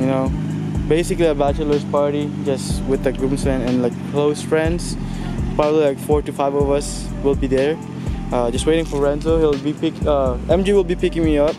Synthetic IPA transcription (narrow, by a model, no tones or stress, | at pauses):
jɨnoʊ | beɪsɪkliəbæt͡ʃlə˞zpʰɑɹɾid͡ʒʌstwɪðəɡɹupnsɛ̃nɨ̃nlaɪkʰloʊsfɹɛ̃ndz̥ | pʰɹ̥ɔbəblilaɪkfɔɹʈɨfaɪvʌvʌs | wɪlˠbiðə˞ | ʌd͡ʒʌst̚weɪɾɪ̃ŋfɔ˞ɹɛ̃nsohilbipɪkʌɛ̃md͡ʒiwɪlˠbipɪkɪ̃ŋmiʌp̚